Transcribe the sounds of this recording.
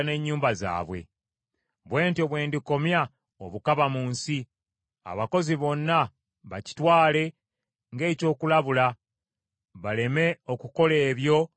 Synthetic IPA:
ne̞ɲːuːmbaza̰ːβwe̞̰ | βwe̞ːntoβwe̞ːndiko̞mja | o̰βukaβamuːnsi | a̰βako̞ziβo̞nːa | βaci̥twaːle̞ | ŋɡe̞ːco̞ːkulaβula | βale̞me̞o̞kuko̞le̞ːβjo̞

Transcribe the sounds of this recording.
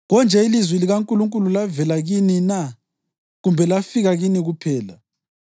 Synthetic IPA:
ɣɔnd͡ʒʱɛilizwɛliɣaŋkʼuluŋkʼululavɛlaɣinina | ɣumbʱɛlafiɣaɣiniɣupʰɛːla

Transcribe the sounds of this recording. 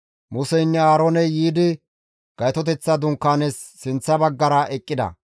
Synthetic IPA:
mʊsɛɪnːɛaːɾonɛjiːd̪ɪ | ɡ̥ɐjt̪ɔt̪ɛt͡sːɐd̪ʊŋkːaːnesːɪnt͡sːɐbɐɡːɐɾɐʔɛkʼːɪd̪ɐ̰

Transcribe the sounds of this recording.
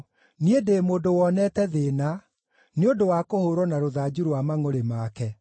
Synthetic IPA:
niedemoːdowɔnɛtɛðeːna | neodowakohoɾwɔnaɾoðaːd͡ʑuɾowamaŋoɾemakɛ

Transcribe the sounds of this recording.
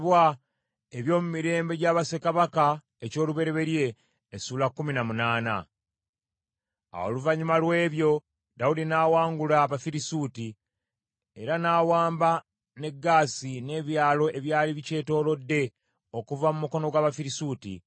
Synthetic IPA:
βwa | e̞βjo̞ːmumiɾe̞ːmbe̞ɟaːβase̞kaβaka | eco̞ːluβe̞ɾe̞βe̞ɾje̞ː | suːlakːuminamunaːna̰ | a̰wo̰luvaɲimalwe̞ːβjo̞ | daudinaːwaːŋɡulaβafiɾisuːti | e̞ɾanaːwaːmba | ne̞ɡːaːsine̞ːβjaːlo̞ʔe̞βjaːliβice̞ːto̞ːlo̞dːe̞ | o̞kuvamumuko̞no̞ɡwaːβafiɾisuːtḭ

